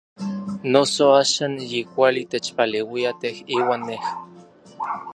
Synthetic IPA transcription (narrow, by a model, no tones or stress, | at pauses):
nosoaːʃaːnjikʷalit̪et͡ʃpalewiat̪ehiːwaːnːeh